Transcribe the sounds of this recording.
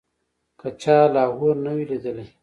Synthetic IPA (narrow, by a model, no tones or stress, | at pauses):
kat͡ʃaːlɑːɦoɾnawilid̪əla